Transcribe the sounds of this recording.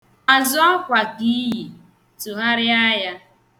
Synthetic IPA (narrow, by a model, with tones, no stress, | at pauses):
a˨zɔ˦ɔ˦kʷa˨ɡi˦ji˨ | tu˨ɦa˦ɾɪ˦a˦ja˦